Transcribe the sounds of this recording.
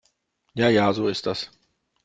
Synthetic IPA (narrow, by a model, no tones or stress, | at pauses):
jajaːzuɔst̪as